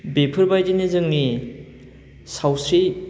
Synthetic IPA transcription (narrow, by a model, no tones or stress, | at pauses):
bepʰɯɾbajdinizɯŋni | sawsɾi